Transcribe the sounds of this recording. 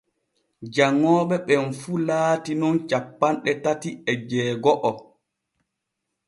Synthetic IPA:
d͡ʒaŋːɔːɓɛɓɛnfuːlaːtinɔnt͡ʃapːanɗɛtatiɛd͡ʒɛːɡɔʔɔ

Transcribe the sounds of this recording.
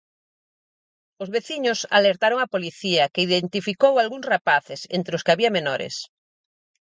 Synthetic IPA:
ozβeθiɲʊsa̰leɾt̪aɾoŋapoliθiɐkeiðent̪ifikowalɣuŋsrapaθɪsḛnt̪ɾeʊskɪaβiɐmenɔɾɪ̰s

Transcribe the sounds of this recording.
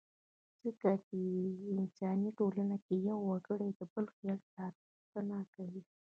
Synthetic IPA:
z̥əkat͡ʃeɪnsɑniʈolanakejawːaɡəɽad̪əbəlxjɑlsaɾ | xt̪ənakawi

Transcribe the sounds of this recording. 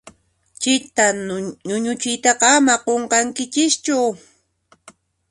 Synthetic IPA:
t͡ʃɪt̪aɲʊɲʊt͡ʃɪjt̪ɑqɑamaqoɴqɑŋkɪt͡ʃɪst͡ʃʊ

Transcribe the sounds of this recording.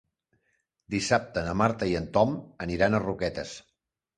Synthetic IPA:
d̪isap̚t̪əːnəmaɾt̪əiənt̪ɔməniɾanərukɛt̪ə̰s

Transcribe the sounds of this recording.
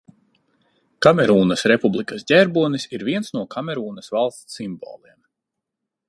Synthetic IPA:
kamʲɛɾuːnɐsɾepublˠikɐsdʲɛɾbuɔnisiɾvʲiɛnsnuɔkʰamʲɛɾuːnɐsvalˠst̪ːimbɔ̰ːlˠiɛm

